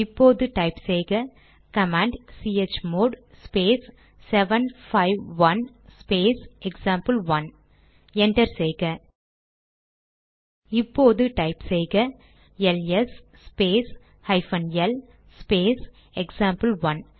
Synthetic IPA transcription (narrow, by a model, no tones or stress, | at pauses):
ɪpːoːðɯʈɐɪpsɛjɣɐ | kɐmaːɳɖsiːet͡ʃmoːɖ | speːsː | ɛʋɐnfɐɪʋːɐn | speːsɛksaːmpɨlʋɐn | ɛɳʈɐɾsɛjɣɐ | ɪpːoːðɯʈɐɪpsɛjɣɐ | ɛlɛs | speːs | hɐɪfɐnɛl | speːs | ɛksaːmpɐlʋɐn